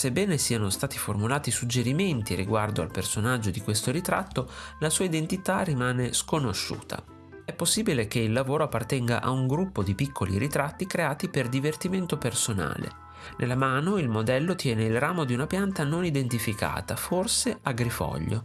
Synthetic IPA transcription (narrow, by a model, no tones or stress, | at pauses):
sebːɛːnesiːanost̪aːt̪iformulaːt̪isud͡ʒːeɾiment̪iriɡward̪oa̰lpersonad͡ʒːod̪ikwest̪oɾit̪ɾa̰t̪ːolasuːaid̪ent̪it̪arimaːneskonoʃːṵːt̪ʰa̰ | ɛpːosːiːbilek̟eilːavoːɾoapːart̪ɛŋɡa̰ʔauŋɡɾupːod̪ipikʰːolḭɾit̪ɾat̪ːikɾeaːt̪iperd̪ivert̪iment̪opersona̰ːlḛ | nʔḛlːamaːnoilmod̪ɛlːot̪jɛːneilraːmod̪iunapjant̪anonid̪ent̪ifika̰ːt̪aforseaɡɾifɔ̰ʎːo̰